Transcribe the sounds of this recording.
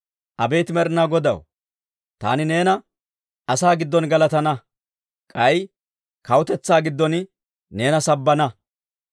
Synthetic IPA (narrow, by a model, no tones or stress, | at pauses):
ʔɐbe̞ːt̪ɪmɛɾɪnaːɡɔd̪ɐ̰w | t̪a̰ːnɪne̞ːnɐ | ɐsaːɡɪd̪ːɔnɡɐlɐt̪ɐnɐ | kʼɐj | kɐwʊt̪ɛt͡sːaːɡɪd̪ːɔn | ne̞ːnɐsɐbːɐnɐ